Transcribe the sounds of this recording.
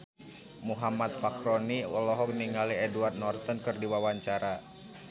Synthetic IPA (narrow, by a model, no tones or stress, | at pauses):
muɦamat̪̚pakɾɔniɔlɔɦɔk̚niŋaliɛduard̪̚nɔrt̪ənkɨrdiwawaɲt͡ʃaɾa